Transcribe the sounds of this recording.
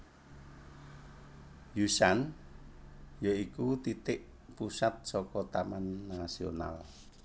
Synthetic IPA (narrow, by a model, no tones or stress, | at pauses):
jusan | joikut̪it̪ɪʔ | pusat̪̚sɔkɔt̪amanːasio̰na̰l